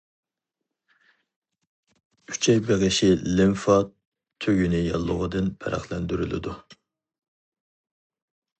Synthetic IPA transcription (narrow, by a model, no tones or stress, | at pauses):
y̥t͡ʃʰɛjbeʁɪʃɪlɪmfɑ | t̪ʰːøɡʲynɪjɑlˠːʊʁəd̪ɨnbʰæ̰ɾʔæ̰χlˠɛnd̪yɾylɪ̰d̪u